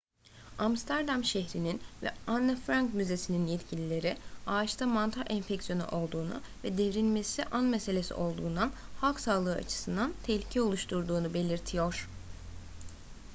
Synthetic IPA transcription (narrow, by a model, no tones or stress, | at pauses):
amst̪ʰæɾd̪amʃɛɦɾininvɛ̰anːafɾaŋkmyze̞sininjɛt̪cʰilʲilʲe̞ɾiaːt͡ʃt̪ʰamant̪ʰaʔɛnfɛcsijo̞nṵʔo̞lˠd̪uːnṵ | vɛd̪ɛvɾinmesiʔanmɛse̞lʲesḭʔo̞lˠd̪uːnd̪anhalˠksaːlˠɯɯːa̰t͡ʃʰɯ̥sɯnd̪ant̪ʰɛçlʲicʰɛo̞lˠuʃt̪ʰuɾd̪uːnube̞lʲiɾt̪ʰijo̞ɾ̥